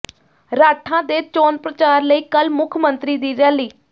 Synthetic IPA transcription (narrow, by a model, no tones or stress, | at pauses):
ɾaːʈʰãːd̪eːt͡ʃoːnpɾət͡ʃaːɾləiːkəlmʊkʰmənt̪ɾiːd̪iːɾɛːliː